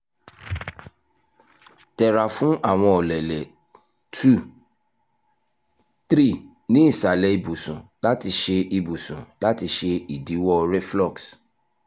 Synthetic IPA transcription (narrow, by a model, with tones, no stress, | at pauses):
tɛ˨ɾa˨fũ˦ʔa˦˨w̃ɔ̃˧ɔ˨lɛ˨lɛ˨ | tu˦˨ | tɾi˦˨ | nĩ˨˦i˦˨sa˨lɛ˨i˧bu˨sũ˨la˦ti˧ʃe˧i˧bu˨sũ˨la˦ti˧ʃe˧i˨di˨˦wɔ˦ɾɛ˦flɔ˦˨ks